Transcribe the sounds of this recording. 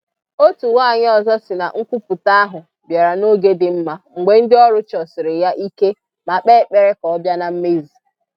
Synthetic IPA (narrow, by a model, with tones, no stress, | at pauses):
o˦tu˨wa˦˨ɲ˦ɔ˨zɔ˦sɪ˨na̰˨ŋ̩˦kʷu˦pʊ˨ta˦a˦ɦʊ˨ | bja˨ɾa˨no˦ɡe˦dɪ˨m̩˦ma˦ŋ̩˨ɡ͡bʷe˨n̩˦dɪ˦ɔ˦ɾʊ˦t͡ʃɔ˨sɪ˨ɾɪ˨ja˦ʔi˦ke˦ | ma˨k͡pe˦k͡pe˨ɾe˦kɔ˨˦bja˦na˨m̩˦me˦zi˨